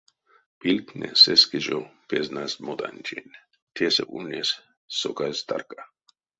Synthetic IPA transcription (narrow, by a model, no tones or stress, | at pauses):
pilʲtnʲɛ̰sɛskiʒopeznasmod̪a̰nʲt͡ʃʰinʲ | t̪ʲʰesɛʔunʲes | sokajst̪a̰rka